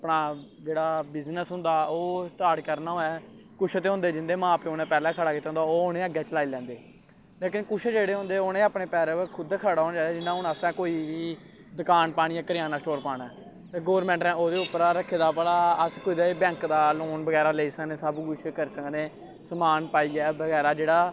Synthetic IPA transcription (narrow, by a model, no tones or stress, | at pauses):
pɽaːd͡ʒeːɽaːbɪznəsɦʊ̃nd̪aːoːsʈaːɾʈkəɾnaːɦoːɛː | kʊʃʰt̪eːɦʊ̃nd̪eːd͡ʒɪnd̪eːmãːpeonɛ̃ːpɛːlɛ̃ːkʰəɽaːkɪt̪eːɦnd̪aːoːʊnẽːəɡɛːt͡ʃəlaːilɛ̃ːnd̪eː | leːkɪnkʊʃʰd͡ʒeːɽeːɦʊ̃nd̪eːoːnẽːaːpɳeːpɛːɾẽːəkʰʊd̪kʰaːɽaːɦõːnd͡ʒaːeːd͡ʒɪnːãːʊnaːsɛ̃ːkoːiːʋiː | d̪əkaːnpaːɽĩːjaːkəɾɪjaːnaːsʈoːɾpaːɽɛː | t̪eːɡoːɾmɛ̃ːɳʈɾɛ̃ːʔoːd̪eːʊpːəɾaːɾəkʰːeːd̪aːpəlaːəskoiːd̪aːebɛ̃ːŋkd̪aːloːnbəɡɛːɾaːleiːsəkneːsəbɡʊʃʰkəɾsəkneː | səmaːnpaːiːɡɛːbəɡɛːɾaːd͡ʒeːɽaː